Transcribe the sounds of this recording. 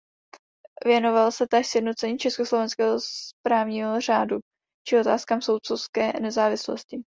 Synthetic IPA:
vjɛno̞valsɛt̪aʃsjɛdnot͡sɛɲiːt͡ʃɛskoslo̞vɛnskɛːɦospɾaːvɲiːɦor̝aːdu | t͡ʃɪo̞t̪aːskaːmsow̪t͡sowskɛːnɛzaːvɪslo̰scɪ

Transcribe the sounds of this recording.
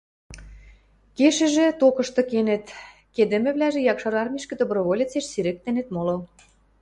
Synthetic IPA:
keʃĕʒĕt̪okɤ̆ʃt̪ɤ̆kenĕt̪ | ked̪ĕmɘ̆βlæʒĕjɑkʃɤɾɑrmʲiʃkĕd̪obɾoβolʲit͡seʃsiɾĕk̚t̪ĕnet̪molo

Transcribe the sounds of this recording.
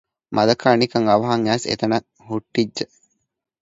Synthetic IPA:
mʔɐd̪ɐkaːnikɐŋɐʋɐɦɐŋæːsḛt̪ɐnɐ | huʈːid͡ʒːə

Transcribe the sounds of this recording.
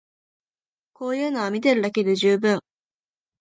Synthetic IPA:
ko̞ːjɯːnoβamʲit̪̬e̞ɾɯ̟d̪aked̪ɯʑɨːbɯ̟̃ŋ

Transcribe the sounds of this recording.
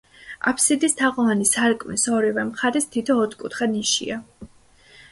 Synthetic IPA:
a̰pʰsid̪ist̪ʰaqʼɔvanisaɾkʼmisɔɾivɛmχaɾist̪ʰit̪ʰɔːt̪ʰkʼut̪ʰχaniʃḭa

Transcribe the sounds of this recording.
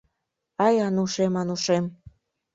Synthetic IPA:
ɑjɑnuʃemɑnuʃem

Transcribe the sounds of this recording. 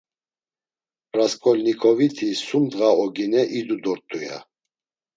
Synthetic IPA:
ɾaskʼɔlnikʰʼɔvit̪ʰisumd̪ɣaɔɡinɛʔid̪ud̪ɔɾt̪ʼuja̰

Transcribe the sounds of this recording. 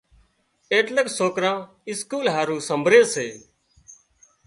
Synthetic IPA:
eːʈləksoːkɾãː | ɪskuːlɦaːɾũːsəmbʱɾẽːseː

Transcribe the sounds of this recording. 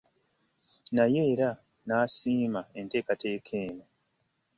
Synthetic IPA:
najeːɾa | naːsiːmae̞nte̞ːkate̞ːkʰeːno

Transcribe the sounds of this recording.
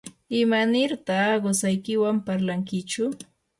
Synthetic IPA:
ɪmanɪɾt̪aɢosajkɪwampaɾlaŋkɪt͡ʃʊ

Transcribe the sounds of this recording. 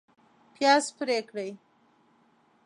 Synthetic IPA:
pjɑspɾekɽəj

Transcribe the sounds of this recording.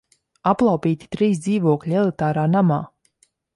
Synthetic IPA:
aplˠawpʲiːt̪i̥t̪ɾiːs̬d̪ziːvuɔklʲielˠit̪aːɾaːnamaː

